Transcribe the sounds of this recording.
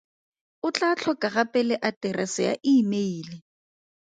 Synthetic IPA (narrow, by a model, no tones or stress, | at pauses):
ʊt͡ɬʼat͡ɬʰɔkʼaɣapʼɛlɛʔatʼɛrʔasɪja̰ʔɪːmeiːle